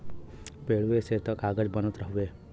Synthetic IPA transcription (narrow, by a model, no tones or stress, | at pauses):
peɭuʋeset̪ɔkaɡəd͡ʒbənut̪ɾəɦue